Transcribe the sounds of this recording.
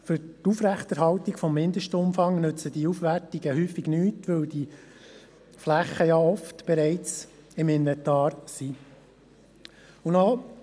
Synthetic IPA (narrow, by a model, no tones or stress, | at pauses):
fʏɾtufɾæχt̪ɛɾɦɑltiɡfɔmːɪnd̪əʃtəʊmfɑŋnɵt͡səd̥iufʋærtiɡəhyːfiɡnyːtʋɵwdi | flæχəjɑɔftb̥ɛɾɛɪt͡s | ɪmɪnːɛtɑːɾsi | ʊno